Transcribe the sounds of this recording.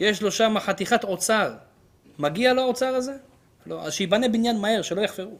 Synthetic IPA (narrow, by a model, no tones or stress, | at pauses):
jeʃlo̞ʃamaχat̪iχat̪o̞t͡saʁ | maɡialao̞t͡saʁaze̞ | lo̞ʔa̰zʃeibanebinjanmahe̞ʁʃelo̞jaχfeʁu